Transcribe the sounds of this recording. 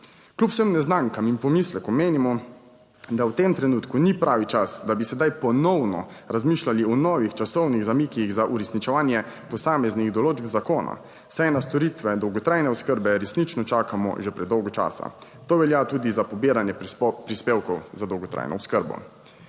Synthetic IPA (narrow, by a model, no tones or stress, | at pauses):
klʲupwsəmnɛznaŋkaminpɔmislɛkɔmeːnimɔ | d̪awt̪emt̪ɾɛnuːt̪kunipɾʔaːʋit͡ʃasd̪abisɛd̪ajpɔnɔwnɔ̰ɾazmiːʃlaliɔnɔʋixt͡ʃasɔwniɣzamikiɣzaʔuɾɛsnit͡ʃɛʋaːnjɛ | pɔsaːmɛzniɣd̪ɔloːd͡ʒbzakoːna̰ | sɛjnast̪ɔɾit̪ʋɛd̪ɔwɡɔt̪ɾajnɛɔskəɾbɛɾɛsnit͡ʃnɔt͡ʃaːkamɔ̰ʒɛpɾɛd̪ːɔwɡɔt͡ʃa̰ːsa̰ | t̪oːʋɛljat̪uːd̪izapɔbiːɾanjɛpɾispeːwkɔwzad̪ɔwɡɔt̪ɾa̰ːjnʔɔ̰wskəɾbɔ̰